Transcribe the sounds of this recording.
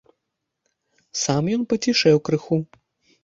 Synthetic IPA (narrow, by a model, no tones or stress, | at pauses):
samjɔnpɐt͡sʲiʂɛwkɾɨxu